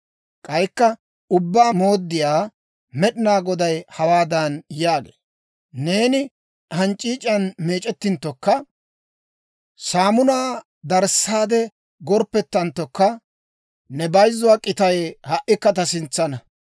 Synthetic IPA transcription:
kʼɐjkːɐ | ʊbːaːmo̞ːd̪ːɪjaː | mɛɗɪnaːɡɔd̪ɐjhɐwaːd̪ɐnjaːɡḛː | ne̞ːnɪ | hɐnt͡ʃʼːiːt͡ʃʼɐnme̞ːt͡ʃʼɛt̪ːɪnt̪ːɔkːɐ | saːmʊnaː | d̪ɐɾsːaːd̪ɛ | ɡɔɾpːɛt̪ːɐnt̪ːɔkːɐ | nɛbɐjzːʊwaːkʼɪt̪ɐjhɐʔɪkːɐt̪̬ɐsɪnt͡sːɐnɐ

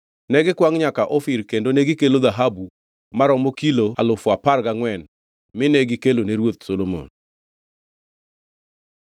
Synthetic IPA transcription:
nɛɡɪkwaŋɲakaʔɔfiɾkendoneɡɪkeloðaɦabu | maɾɔmokiloalʊfɔaparɡaŋwɛn | mɪnɛɡɪkeloneɾwot̪̚solomo̰n

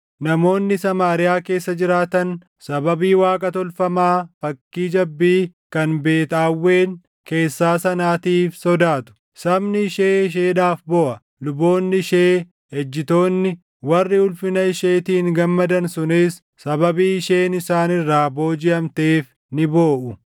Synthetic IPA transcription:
nɐmo̞ːnːɪsɐmaːɾɪjaːke̞ːsːɐd͡ʒɪɾaːt̪ɐn | sɐbɐbiːwaːkʼɐt̪ɔlfɐmaːfɐkːiːd͡ʒɐbːiːkɐnbe̞ːt̪aːwːe̞ːn | ke̞ːsːaːsɐnaːt̪iːfsɔd̪aːt̪ʊ̥ | sɐbnɪʃe̞ːɪʃ̬eːᶑaːfbɔʔɐ | lʊbo̞ːnːɪʃeː | hɛd͡ʒːɪt̪o̞ːnːɪ | wɐrːɪʊlfɪnɐɪʃeːt̪iːŋɡɐmːɐd̪ɐnsʊnɪs | sɐbɐbiːʃe̞ːnɪsaːnɪrːaːbo̞ːd͡ʒɪʔɐmt̪e̞ːf | nɪbo̞ːʔʊ

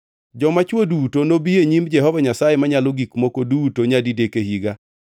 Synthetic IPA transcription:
d͡ʒɔmat͡ʃwodutonobieɲimd͡ʒɛɦɔvaɲasajemaɲalɔɡikmokodutoɲadidekehiɡa

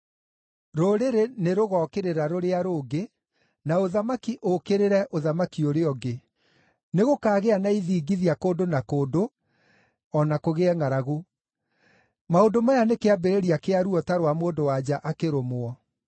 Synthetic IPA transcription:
ɾoɾeɾeneɾoɣɔːkeɾeɾaɾoɾeaɾoːɡe | naoðamakiʔokeɾeɾɛʔoðamakioɾeɔɡe | neɣokaːɣeanaiðiːɡiðiakoːndonakoːdo | ɔnakoɣeɛŋaɾaɣo | maondomajanekeabeɾeɾiakeaɾuɔtaɾwamoːndowad͡ʑaʔakeɾomoɔ

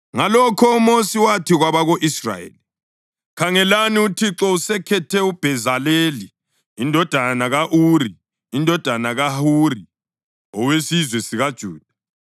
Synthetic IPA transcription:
ŋalɔkʰɔumosiwatʰiɣwaβaɣoʔisra̰jḛli | kʰaŋɛlaniutʰiǁɔusɛkʰɛtʰɛub̥ʱɛzaleːliː | ndʱɔd̥ʱanaɣaʔuːɾi | indʱɔd̥ʱanaɣahuri | ɔwesizwɛsiɣad̥ʒ̥ʱuːd̥ʱḁ

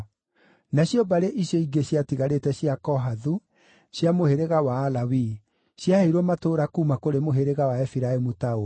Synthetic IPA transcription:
naɕjɔbaɾeʔiɕjɔiɡeɕjatiɣaɾetɛɕiakɔɦaðu | ɕjamoheɾeɣawaːlawi | ɕjaheɾwɔmatoɾakuːmakoɾemoɦeɾeɣawaɛfiɾaemutao

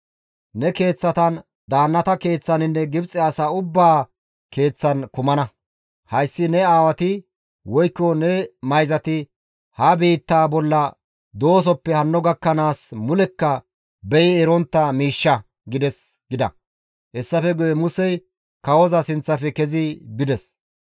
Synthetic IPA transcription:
nɛke̞ːt͡sːɐt̪ɐn | d̪aːnːɐt̪ɐke̞ːt͡sːɐnɪnːɛɡɪbt͡sʼːɪasaːʊbːaː | ke̞ːt͡sːɐnkʊmɐnɐ | hɐjsːɪnɛaːwɐt̪ɪ | wɔjkːɔnɛmɐjzɐt̪ɪ | hɐbiːt̪ːaːbɔlːɐ | d̪o̞ːs̬ɔpːɛhɐnːɔɡɐkːɐnaːsmʊlɛkːɐ | bɛjɪɛɾɔnt̪ːɐmiːʃːɐ | ɡɪd̪ɛs | ɡɪd̪ɐ̰ | ʔɛsːɐfɛɡʊjɛmʊsɛj | kɐwɔzɐsɪnt͡sːɐfɛkɛzɪbɪd̪ɛs

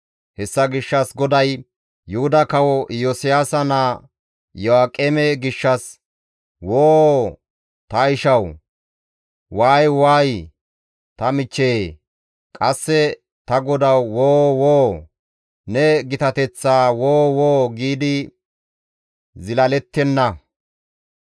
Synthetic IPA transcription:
hɛsːɐɡɪʃːɐsɡɔd̪ɐj | jʊhʊd̪ɐkɐwɔjosɪjaːsɐna | jɔaːkʼːɛmɛɡɪʃːɐs | woː | t̪ɐɪʃɐw | waːjwaːj | t̪ɐmɪt͡ʃːeː | kʼɐsːɛ | t̪ɐɡɔd̪ɐwːoːwoː | nɛɡɪt̪ɐt̪ɛt͡sːaːwoːwoːɡiːd̪ɪ | zɪlɐlɛt̪ːɛnːɐ

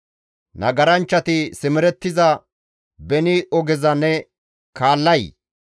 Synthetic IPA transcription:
nɐɡɐɾɐnt͡ʃːɐt̪ɪsɪmɪɾɛt̪ːɪzɐ | bɛnɪʔɔɡɛzɐnɛ | kaːlːɐj

